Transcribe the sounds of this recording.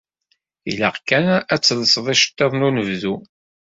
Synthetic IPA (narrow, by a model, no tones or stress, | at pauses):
ḭlaqkænæt͡sːləsəðˤiʃə̥t̪ːeðˤnunəvðu